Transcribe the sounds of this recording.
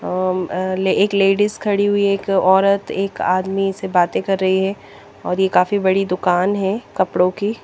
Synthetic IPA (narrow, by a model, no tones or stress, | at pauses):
leeːkleːɖɪskʰɐɽiɦʊieːkɔːɾət̪eːka̰ːd̪misebaːt̪ẽkɐɾːɐɦiɦɛː | ɔːɾjekaːfibɐɽid̪ʊkaːnɦɛkɐpɽõki